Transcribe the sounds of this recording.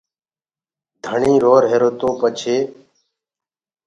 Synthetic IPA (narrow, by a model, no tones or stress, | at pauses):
d̪ʱəɳĩːɾoːɾɦeːɾoːt̪oːpət͡ʃʰeː